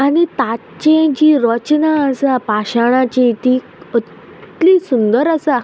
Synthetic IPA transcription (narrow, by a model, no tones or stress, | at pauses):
anit̪at͡ɕẽd͡ʑiːɾɔt͡ɕnaːsapaɕaɽ̃ãt͡ɕet̪iː | ə | t̪lisund̪əɾəsa